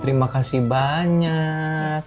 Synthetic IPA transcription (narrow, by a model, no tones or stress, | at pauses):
t̪əɾimakasibaɲak̚